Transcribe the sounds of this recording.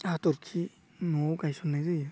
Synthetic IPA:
atɔɾkʰi | nɔwɡajsɔnːajzɯj

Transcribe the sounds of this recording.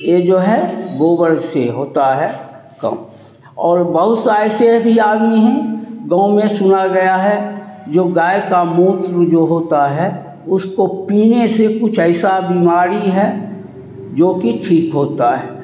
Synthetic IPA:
jed͡ʒoːɦɛɡoːbəɾseɦoːt̪aɦɛ | kɐ̰m | ɔːɾbəɦʊt̪saːesebʱiaːd̪miɦɛ̃ɡãʊ̃mẽsʊnaɡɐjaɦɛd͡ʒoːɡaːekamũːt̪ɾd͡ʒoːɦoːt̪aɦɛ | ʊskopiːnesekʊt͡ʃʰɛːsabiːmaːɾiɦɛ | d͡ʒoːkiʈʰiːkɦoːt̪aɦɛː

